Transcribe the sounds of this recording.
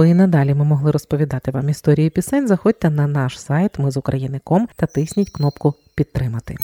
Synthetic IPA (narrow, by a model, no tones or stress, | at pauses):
inɐd̪ɑlʲimɪmɔɦlˠɪɾɔspɔʋʲid̪ɑt̪ɪʋɑmist̪ɔɾʲijipʲisɛnʲzɐxɔd̚ʲt̪ːɛnɐnɑʃsɑjt̪mɪzʊkɾʔɐjinɪkɔmt̪ɐt̪ɪsʲnʲitʲknɔpkʊ | pʲid̪̚t̪ːɾɪmɐt̪ɪ̰